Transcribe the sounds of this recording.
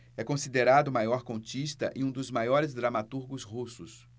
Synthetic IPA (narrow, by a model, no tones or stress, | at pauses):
ɛkõsid̪eɾad̪ʊmajɔɾkõt͡ʃist̪ɐ̰ʔɪũd̪ʊzmajɔɾɪzd̪ɾamat̪uɾɡʊzhusʊs